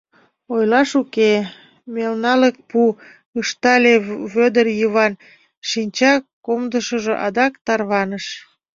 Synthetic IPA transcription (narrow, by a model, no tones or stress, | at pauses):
ojlɑʃuke | melnɑlək̚pu | əʃt̪ɑlʲeβød̪ərjəβɑn | ʃinʲt͡ɕɑkomd̪əʃəʒo̰ʔɑd̪ɑkt̪ɑrβɑnəʃ